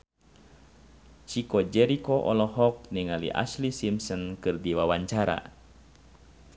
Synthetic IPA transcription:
t͡ʃikɔd͡ʒɛɾikɔʔɔ̰lɔɦɔk̚niŋalḭʔa̰slisimsɔnkɨrdiwawaɲt͡ʃaɾa̰

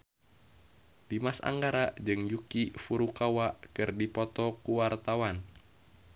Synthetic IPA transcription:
dimasa̰ŋɡaɾad͡ʒɨŋjukifuɾukawaʔkɨrdipɔt̪ɔkuwart̪awan

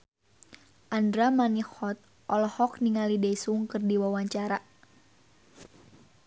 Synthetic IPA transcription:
ʔandɾamanihɔt̪̚ | ʔɔlɔhɔk̚niŋalidɛisuŋkɨrdiwawaɲt͡ʃaɾa

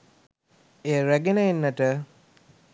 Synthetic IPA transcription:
ejəɾæɡenəenːəʈə

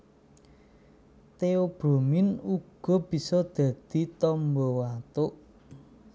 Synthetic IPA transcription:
t̪eob̥ɾomɪnuɡ̥ɔ̤b̥i̤sɔd̪̥ä̤d̪̥i̤t̪ɔmbɔwat̪ʊʔ

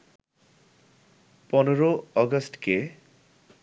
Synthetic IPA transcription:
pɔneɾoɔɡasʈke

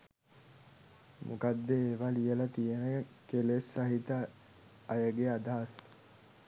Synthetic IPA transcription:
mʔukad̪ːeːʋɐlijelɐt̪ijeneɡekelesɐɦit̪əː | jəɡead̪aɦːs

